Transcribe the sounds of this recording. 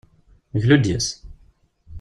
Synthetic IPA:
ʝlud̪jæs

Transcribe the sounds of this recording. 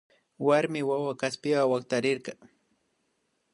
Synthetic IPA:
waɾmɪwawakaspɪwawakt̪aɾɪɾɢɑ

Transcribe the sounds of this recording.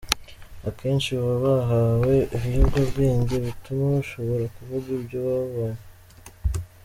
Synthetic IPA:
ake̞ːnt͡ʃiβaβaɦawe̞ʔiβjuɡaβɡiːɲɟe̞βitumaβaʃo̞βo̞ɾakuvuɡubɟoβaβaje

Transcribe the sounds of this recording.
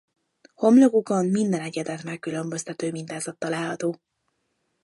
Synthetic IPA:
ho̞mlo̞ɡukɒnmind̪ɛnɛɟɛd̪ɛt̪mɛkːylø̞mbø̞st̪ɛt̪øːmint̪aːzɒt̪ːɒlaːlɦɒt̪oː

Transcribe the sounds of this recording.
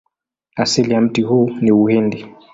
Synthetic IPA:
asilijam̩tihuniuhɛndi

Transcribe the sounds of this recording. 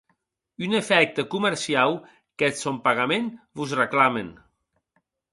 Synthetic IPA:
ynefɛk̚t̪əkuməɾsiaw | kɛt̪sompaɣamenbuzrəklamen

